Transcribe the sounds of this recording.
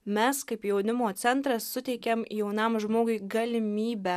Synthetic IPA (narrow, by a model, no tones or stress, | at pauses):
mʲɛskɐɪpjɛʊnʲɪmoːt̪sʲɛnt̪ɾɐsːʊt̪ʲɛɪkʲɛmjɛʊnɐmʒmoːɡʊɪɡɐlʲɪmʲiːbʲæ